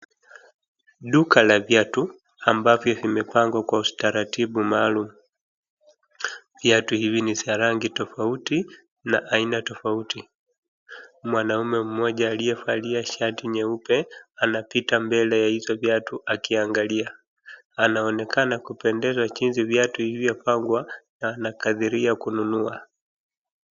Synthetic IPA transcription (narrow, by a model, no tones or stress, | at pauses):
ɗukalavjatu | ambavjɔvimɛpaŋɡwakwaustaɾatiɓumaːlumu | vjatuhivinisaɾaŋɡitɔfauti | naʔainatɔfauti | mwanaumɛm̩mɔʄaːlijɛfaliaʃatiɲɛupɛanapitambɛlɛjahizɔvjatuʔakiaŋɡalia | anaɔnɛkʰanakupɛndɛzwat͡ʃinzivjatuhivjapaŋɡwanaːnakaðiɾiakununua